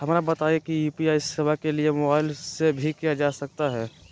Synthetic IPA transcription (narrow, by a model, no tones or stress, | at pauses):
ɦɐmɾabɐt̪ajekijuːpiaːɪsɐbakeliemobaːɪlsebʱikijad͡ʒaːsɐk̚t̪aɦɛː